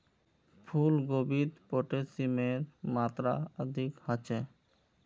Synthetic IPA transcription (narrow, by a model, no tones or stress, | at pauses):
pʰulɡobit̪poʈesimeɾmat̪ɾa̰əd̪ʱikhat͡ɕʰe